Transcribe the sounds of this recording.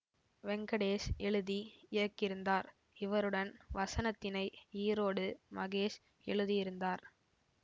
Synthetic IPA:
ʋɛŋɡɐɽeːʂɛɭɯðiɪɾɐkːɪɾɯnd̪aːɾ | ɪʋɐɾɯɽɐnʋɐsɐnɐt̪ːɪnɐɪiːɾoːɽɯmɐɣeːʂ | ɛ̰ɭɯðijɪɾɯnd̪aːɾ

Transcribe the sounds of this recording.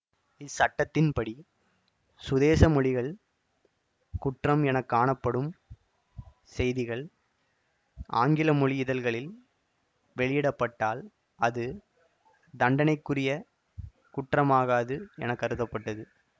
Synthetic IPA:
ɪsɐʈːɐt̪ːɪnpɐɽi | sʊðeːsɐmɔɭɪɣɐɭ | kʊʈrɐmɛnɐkːaːɳɐpːɐɽɯm | sɛjðɪɣɐɭ | a̰ːŋɡɪlɐmɔɻɪɪðɐlɣɐɭɪl | ʋɛɭɪjɪɽɐpːɐʈːaːl | ɐðɯ | d̪ɐɳɖɐnɐɪkːɯrɪjɐ | kʊʈrɐmaːɣaːðɯɛ̰nɐkːɐɾɯðɐpːɐʈːɐðɯ

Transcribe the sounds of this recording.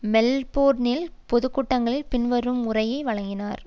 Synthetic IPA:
mɛlpoːɾnɪlpɔðɯkːʊʈːɐŋɡɐɭɪlpɪnʋɐɾɯmʊrɐjɐɪʋɐɻɐŋɡɪnaːɾ

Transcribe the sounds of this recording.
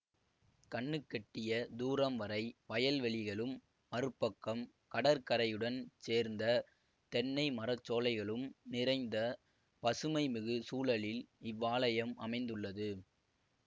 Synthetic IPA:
kɐɳːɯkːɛʈːɪjɐd̪uːɾɐmʋɐɾɐɪpɐjɐlʋɛɭɪɣɐɭɯmː | ɐɾɯpːɐkːɐm | kɐɽɐɾkɐɾɐjɯɽɐnseːɾnd̪ɐ | t̪ɛɳːɐɪmɐɾɐt͡ʃːoːlɐɪɣɐɭɯmnɪɾɐɪnd̪ɐ | pɐsɯmɐɪmɪɣɯsuːlɐɭɪlɪʋːaːlɐjɐmɐ̰mɐɪnd̪ɯɭːɐðɯ

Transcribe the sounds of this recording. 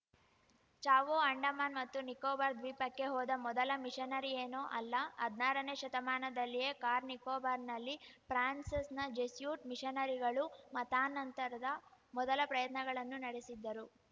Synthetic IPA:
t͡ʃaːʋoːɐɳɖɐmaːnmɐt̪ːunikoːbaːɾd̪ʋiːpɐkːe̞ɦɔːd̪ɐmɔd̪ɐlɐmiʂɐnɐɾieːnoːʔɐlːɐɐd̪naːɾɐneːʃɐt̪ɐmaːnɐd̪ɐlːijekaːɾnikoːbaɾnɐlːipɾaːnsɐsnɐd͡ʒesjuːʈmiʃɐnɐɾiɡɐɭumɐt̪aːnːɐnt̪ɐɾɐd̪ɐmɔd̪ɐlɐpɾɐjɐt̪nɐɡɐɭɐnːunɐɽesid̪ːɐɾu

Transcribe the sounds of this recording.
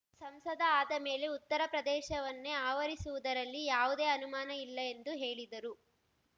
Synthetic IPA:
sɐmsɐd̪ʱɐaːd̪ɐme̞ːle̞ut̪ːɐɾɐpɾɐd̪ɛːʃɐʋɐnːeaːʋɐɾisuʋud̪ɐɾɐlːijaːʋud̪e̞ːɐnumaːnɐilːɐend̪uɦe̞ːɭid̪ɐɾu

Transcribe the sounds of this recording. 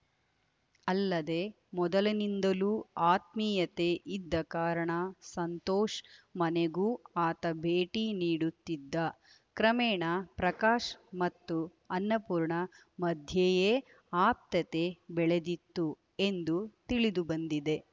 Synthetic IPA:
ɐlːɐd̪e̞ | mɔd̪ɐlɐnind̪ɐluːaːt̪̚miːjɐt̪e̞ʔid̪ːɐkaːɾɐɳɐsɐnt̪oːʃmɐneɡuːaːt̪ɐbʱeːʈiniːɽut̪ːid̪ːɐ | kɾɐmeːɳɐpɾɐkaːʃmɐt̪ːu | ɐnːɐpuːɾɳɐ | mɐd̪ʱjeje | aːp̚t̪ɐt̪e̞bɛɭe̞d̪it̪ːu | e̞nd̪ut̪iɭid̪ubɐnd̪id̪e̞

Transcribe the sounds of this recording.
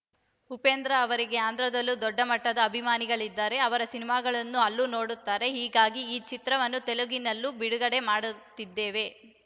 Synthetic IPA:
upeːnd̪ɾɐːʋɐɾiɡe̞aːnd̪ɾɐd̪ɐlːud̪ɔɖːɐmɐʈːɐd̪ɐːbʱimaːniɡɐɭid̪ːaːɾe̞ɐʋɐɾɐsinimaːɡɐɭɐnːuɐlːuno̞ːɽut̪ːaːɾe̞ɦiːɡaːɡiiːt͡ʃit̪ɾɐʋɐnːut̪eluɡinːɐlːubiɽuɡɐɽe̞maːɽut̪ːid̪ːeːʋe̞

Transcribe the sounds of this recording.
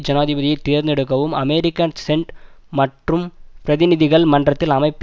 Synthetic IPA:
d͡ʑɐnaːðibɐðijɐt̪ːiːɾneɽɯkːɐʋɯmɐmeːɾikʲːɐnseɳɖmɐʈrɯmprɐðɪniðiɣɐɭmɐɳɖrɐt̪ːɪlɐmɐɪpː

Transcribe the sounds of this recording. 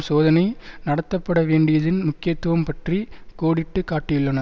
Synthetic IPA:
soːðɐnɐɪnɐɽɐt̪ːɐpːɐɽɐʋeːɳɖɪjɐðɪnmʊkːɪjɐt̪ːɯʋɐmpɐʈrikoːɽɪʈːɯkaːʈːɪjʊɭːɐnɐ

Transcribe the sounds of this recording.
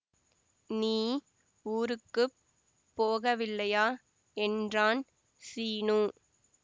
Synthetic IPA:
niː | uːɾɯkːɯ | pːoːɣɐʋɪlːɐjaː | ɛndraːn | siːnuː

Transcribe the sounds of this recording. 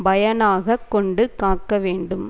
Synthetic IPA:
bɐjɐnaːɣɐkːɔɳɖɯkaːkːɐʋeːɳɖɯm

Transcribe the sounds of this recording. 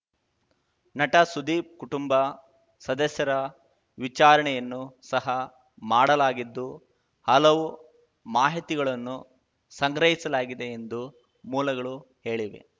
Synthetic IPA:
nɐʈɐsud̪iːp̚kuʈumbɐ | sɐd̪ɐsjɐɾɐ | ʋit͡ʃaːɾɐɳɛjɐnːusɐɦɐ | maːɽɐlaːɡid̪ːu | hɐlɐʋu | maːɦit̪iɡɐɭɐnːu | sɐŋɡɾɐɦisɐlaːɡid̪e̞ːnd̪u | muːlɐɡɐɭuhe̞ːɭiʋḛ

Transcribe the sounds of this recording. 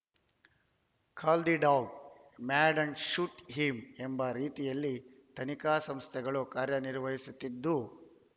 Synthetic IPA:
kʰaːld̪iɖaːɡ | maːɖɐnʃuʈɦimembɐɾiːt̪ijɐlːi | t̪ɐnikaːsɐmst̪ʰɛɡɐɭukaːɾjɐniɾʋɐɦisut̪ːid̪ːu

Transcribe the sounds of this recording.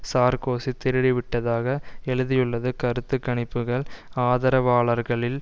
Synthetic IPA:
saːɾkoːsit̪ɪɾɪɽɪʋɪʈːɐðaːɣɐɛɻɯðɪjɯɭːɐðɯkɐɾɯt̪ːɯkːɐɳɪpːɯɣɐɭaːðɐɾɐʋaːɭɐɾɣɐɭɪl

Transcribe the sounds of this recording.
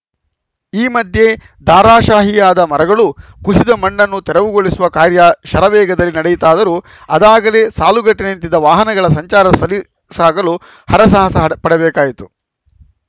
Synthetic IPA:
iːmɐd̪ʱje̞ | d̪aːɾaːʃaːɦijaːd̪ɐmɐɾɐɡɐɭukuʃid̪ɐmɐɳːɐnːut̪ɛɾɐʋuɡoɭisuʋɐkaːɾjɐʃɐɾɐʋɛːɡɐd̪ɐlːinɐɽɛjut̪aːd̪ɐɾu | ɐd̪aːɡɐle̞ːsaːluɡɐʈːinent̪id̪ɐʋaːɦɐnɐɡɐɭɐs̬ɐɲt͡ʃaːɾɐɐsɐli | saːɡɐlu | hɐɾɐs̬aːɦɐsɐpɐɽɛbɛːkaːjit̪u̥

